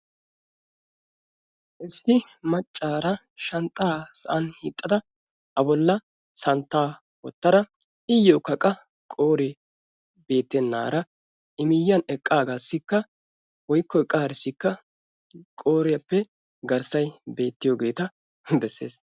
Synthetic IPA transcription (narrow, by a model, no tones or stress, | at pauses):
ʔɪsːɪ | mɐt͡ʃʼːaːɾɐ | ʃɐnt̪ʼːaːsɐʔɐnhiːt̪ʼːɐd̪ɐ | ʔɐbɔlːɐ | sɐnt̪ːaː | wɔt̪ːɐɾɐ | ɪjːoːkɐkʼɐ | kʼo̞ːɾɛ | be̞ːt̪ːɛnːa̰ːɾɐ | ʔɪmɪjːɐnɛkʼːaːɡaːsːɪkːɐ | wɔjkːɔɛkʼːaːɾɪsːɪkːɐ | kʼo̞ːɾɪjɐpːɛ | ɡɐɾsɐjbe̞ːt̪ːɪjoːɡe̞ːt̪ɐ | bɛsːe̞̰ːs